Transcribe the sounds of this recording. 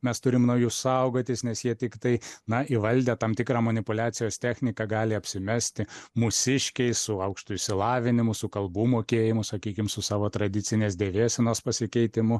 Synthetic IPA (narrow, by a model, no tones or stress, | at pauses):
mʲɛst̪ʊɾʲɪmnɐʊjussɐˑʊɡoːt̪ʲɪsnʲɛsjiɛt̪ʲɪkt̪ɐɪnɐɪʋɐlʲd̪ʲeːt̪ɑmt̪ʲɪkɾɑːmɐnʲɪpʊlʲæːtsʲɪjoːst̪ʲæːxʲnʲɪkɑɡɑːlʲɪɐpʲsʲɪmʲɛsʲt̪ʲɪmʊsʲɪʃʲkʲɛɪsʊɐʊkʃt̪ʊɪʃʲsʲɪlˠɑːʋʲɪnʲɪmʊsʊkɐlˠbuːmoːkʲeːjɪmʊsɐkʲiːkʲɪmsʊsɑːʋoːt̪ɾɐd̪ʲɪt̪sʲɪnʲeːsd̪ʲeːʋʲeːsʲɛnoːspɐsʲɪkʲɛɪt̪ʲɪmʊ